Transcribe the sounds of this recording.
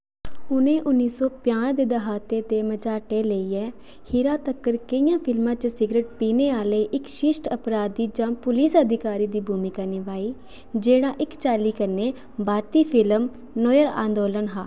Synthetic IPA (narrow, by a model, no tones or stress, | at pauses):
ʊnẽːʔʊnːiːsɔːpjãːd̪eːd̪əɦaːt̪eːt̪eːməd͡ʒaːʈeːləiːɛː | hɪɾaːt̪əkːəɾkəijãːpʰɪlmãːt͡ʃsɪɡɾeːʈ̚piːneːaːleːʔɪkʃɪʃʈəpɾaːd̪iːd͡ʒãːpʊliːsəd̪ʱɪkaːɾiːd̪iːbʱuːmɪkaːneːʋaːiː | d͡ʒeːɽaːʔɪkt͡ʃaːliːkəɾneː | bʱaːɾt̪iːpʰɪləm | nɔːjəɾã̰ːnd̪oːlənɦa̰ː